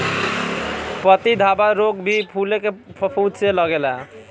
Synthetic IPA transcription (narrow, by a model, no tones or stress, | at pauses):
pət̪id̪ʱabaɾoɡbʱipʰulekepʰəpʰuseləɡela